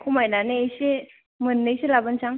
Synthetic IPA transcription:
kʰumajnanejse | mɯnːɯjselabɯnsaŋ

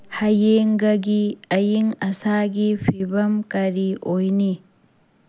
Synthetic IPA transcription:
hɐjeŋɡɐɡiɐjiŋɐsaɡipʰibɐmkɐɾiʔojni

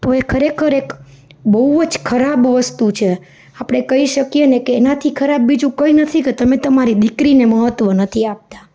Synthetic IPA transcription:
t̪oekʰəɾekʰəɾek | bəuəd͡ʒkʰəɾabʋəst̪ut͡ʃʰe | apɽ̃ekəiʃəkijenekeːnat̪ʰikʰəɾabːid͡ʒũkəinət̪ʰiket̪əmẽt̪əmaɾid̪ikɾineməɦət̪ʋənət̪ʰiap̚t̪a

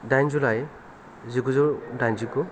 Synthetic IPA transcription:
dajnzulaj | ziɡuzɯdajnziɡu

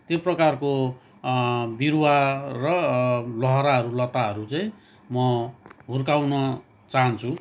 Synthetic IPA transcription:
t̪joprʌkarko | biɾuwarʌlʌɦʌɾaɦʌɾulʌt̪aɦʌɾut͡saĩ | mʌɦurkawnʌ | t͡saɦʌnt͡sʰu

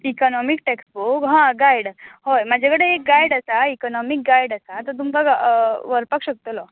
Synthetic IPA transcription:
ikɔnɔmik̚ʈɛksbokɦãɡajɽhojmad͡ʑʱakəɽeek̚ɡajɽasaikɔnɔmik̚ɡajɽasat̪əɾt̪umpəɡʋəɾpakɕək̚t̪olɔ

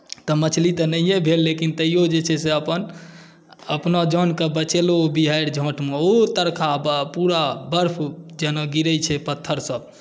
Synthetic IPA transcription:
t̪ɔmət͡ʃʰlit̪ənəjjebʱelːekint̪əijod͡ʒet͡ʃʰɛseəpən | əpnad͡ʒɔnkebət͡ʃeloobiɦajɾd͡ʒʱõʈʰmeot̪əɾkʰabpuɾabəɾpʰd͡ʒenɔɡiɾət͡ʃʰɛpət̪ʰːəɾsəb̚

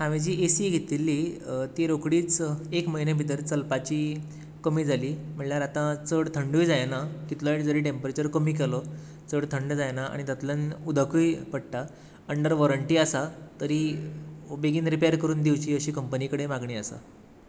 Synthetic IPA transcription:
ãʋid͡ʑiːʔesiɡʱit̪ilːit̪iɾokɽiːt͡sekməɦinebʱit̪əɾt͡səlpat͡ɕiː | kəmiːd͡zʱaliːm̤əɭljaɾat̪ãt͡səɽt̪ʰəɳɖujd͡zajnakit̪laiʈd͡zəɾiːʈempəɾet͡ɕəɾkəmiːk̬elɔ | t͡səɽt̪ʰəɳɖd͡zajnaa̰ɽ̃it̪at̪ljənud̪ʱakujpəɽ̚ʈa | əɳɖəɾʋɔɾəɳʈiːasat̪əɾiː | beɡiːnɾipejəɾkəɾuːnd̪iwt͡ɕiːəɕiːkəmpənikəɽemaɡɳiːəsa̰

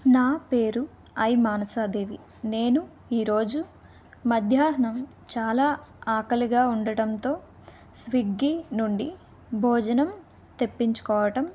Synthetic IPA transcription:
naːpe̞ːɾu | ɐjmaːnɐsaːd̪e̞ːʋi | ne̞ːnu | iːɾo̞ːd͡ʒu | mɐd̪ʱjaːɦɐnɳɐm | t͡ʃaːlaːaːkɐliɡaːuɳɖɐɽɐnt̪o̞ː | sʋiɡːinuɳɖi | bʱɔːd͡ʒɐnɐm | t̪e̞pːiɲt͡ʃu̥kɔːʋɐʈɐm

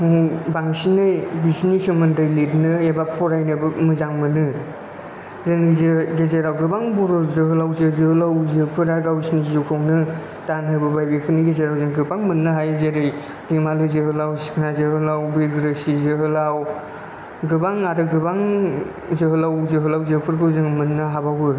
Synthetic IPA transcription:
baŋsinɯjbiznisɯmɯndɯjlitnɯebapʰɔɾajnɯbɯmɯzaŋmɯnɯ | zeŋzɯɡezeɾawɡɯbaŋbɔɾɔzɯɦɯlawzɯzɯhɯlawzɯpʰɯɾaɡawsinizɯkʰownɯ | tanɦɯbɯbajbipʰɯniɡezeɾawzɯŋɡɯbaŋmɯnːɯɦajzeɾɯj | dimalɯzɯɦɯlawsi̥kʰnazɯhɯlawbiɡɾɯsizɯɦɯlaw | ɡɯbaŋaɾɯɡɯbaŋ | zɯɦɯlawzɯɦɯlawzɯpʰɯɾkʰɯwzɯŋmɯnːɯɦabawɯ

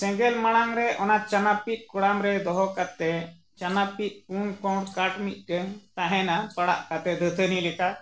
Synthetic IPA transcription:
sɛ̃ɡɛlmaɽ̃aŋɾɛʔɔnat͡ʃanapit̪̚ˀkɔɽamɾɛd̪ɔɦɔkat̪ɛ | t͡ʃanapit̪̚ˀkunkɔɽkaʈmit̪̚ˀɖɛŋt̪ãɦɛ̃napaɽa̰ʔkat̪ɛd̪ʱət̪ʰənilɛka

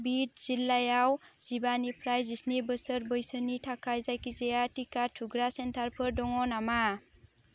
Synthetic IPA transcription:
bit̚z̥ilːajawz̥ibanipʰɾajzisnibəsəɾbəjsənitʰakajzajkizejatikatʰuɡɾasentʰaɾpʰɯɾdɔŋɔnama

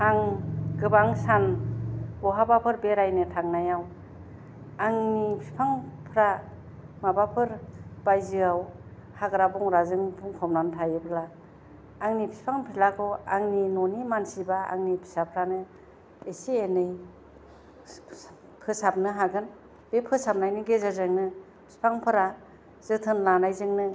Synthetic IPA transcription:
haŋɡɯbaŋsan | ɡɔɦabapʰɯɾbeɾajnɯtʰaŋnajaw | aŋnipʰi̥pʰaŋpʰɾa | mabapʰɯɾbajzɯawhaɡɾabuŋɾazɯŋbuŋkʰɔmnantʰajɯpʰlaː | ŋnipʰi̥pʰaŋpʰilakʰɔa̰ŋninɔnimansibaa̰ŋnipʰi̥sapʰɾanɯ | esienɯj | pʰɯsap̚nɯɦaɡɯn | bepʰɯsap̚najnɯɡezazɯŋnɯ | pʰi̥pʰaŋpʰɯɾa | z̥ɯtʰɯnlanajzɯŋnɯ

